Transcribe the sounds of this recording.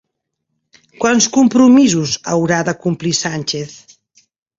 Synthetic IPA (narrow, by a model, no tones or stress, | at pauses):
kwanskumpɾumizuzə̰wɾaðəkumplisanʲt͡ʃeθ